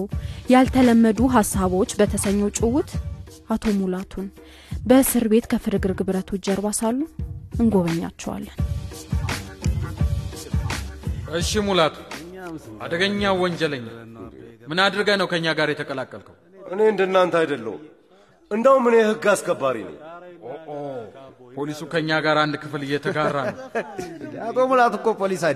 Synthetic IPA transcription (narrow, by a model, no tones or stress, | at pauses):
jalt̪ʰələmːəd̪uɦasːaβo̞t͡ʃːbət̪ʰəsəɲːɛwt͡ʃʼɪwʊt̪ | at̪ʰo̞mulat̪ʰun | bəsɨɾbe̞t̪kʰəfɨɾɨɡɨɾɡɨβɾət̪ʰud͡ʒəɾβasalːuʔɨŋɡo̞βəɲːa̰t͡ʃːɛwa̰lːən | ʔɨʃimulat̪ʰu̥ | ʔad̪əɡəɲːawɔɲd͡ʒɛləɲːalmɨnad̪ɾɨɡajnəwkʰəɨɲːaɡaɾjɛt̪ʰəkʼəlakʼːəlkʰəw | ʔɨne̞ɨnd̪ənːant̪ajd̪əlːə̰wu | ɨnd̪əwumɨnehɨɡːasɡəbːaɾḭnə̰ɲoʔopʰolisukʰəɨɲːaɡaɾand̪kʰɨflɨjɛt̪ʰəɡarːanəw | at̪ʰomulat̪ukʼːopʰolisaj